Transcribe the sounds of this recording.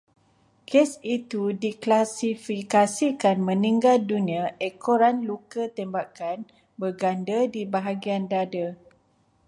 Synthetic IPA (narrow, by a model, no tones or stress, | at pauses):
kʰesit̪udiklasifikasikanmə̃nĩŋɡaldunĩaʔɛkʰoɾanlukət̪ɛmbakan | bərɡandədibaɦaɡiandadə